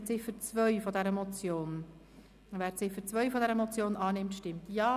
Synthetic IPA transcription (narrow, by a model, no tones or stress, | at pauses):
t͡sɪfət͡svœɥfɔdɛɾəmɔt͡sjoːn | væːɾt͡sɪfəɾt͡svœʏfɔdɛɾəmɔt͡sjoːnʔɑːnɪmtʃtɪmtjɑː